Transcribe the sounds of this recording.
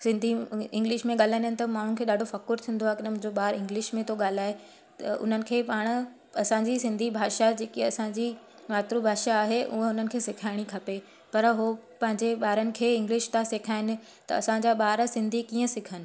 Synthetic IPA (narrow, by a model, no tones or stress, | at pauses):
sɪ̃nd̪ʱiɪ̃ŋɡlɪʃmẽɠaːl̤aɪnənɪt̪ɐmaːɳ̤ʊnɪkʰeːɗaːɖʱofɐkʊɾt̪ʰĩːn̆d̪oaɦekɪnəmʊ̃ɦɲd͡ʑoɓaːɾɪ̃ŋɡlɪʃmẽt̪ʰoɠaːl̤aːɦe | t̪ɐʔʊ̰n̤ənɪ̆kʰeːpaːɽ̃ | ɐsãɲd͡ʑisɪ̃nd̪ʱibʱaːʃad͡ʑeːkiɐsãɲd͡ʑi | ʋaːt̪ɾubʱaːʃaːɦeʔʊ̰ɦəʊnənɪ̆kʰeːsɪkʰaːɪɽ̃ikʰɐpe | pɐɾɦopɐ̃ɦɪ̃ɲd͡ʑeɓaːɾənɪ̆kʰeːɪ̃ŋɡlɪʃt̪ãsekʰaːɪnɪ̆ | t̪ɐ̰ɐsãɲd͡ʑaːɓaːɾsɪ̃nd̪ʱikiːə̃sɪkʰənɪ̆